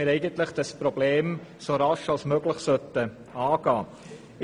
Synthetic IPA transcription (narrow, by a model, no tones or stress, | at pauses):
ɪɾɛɪɡəntləχd̥ɑspɾobleːmsoɾɑʃɑlsmœɡləχsœt̪ə | ɑːɡ̥ɑː